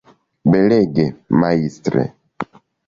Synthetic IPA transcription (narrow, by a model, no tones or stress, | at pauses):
beleɡemaistɾḛ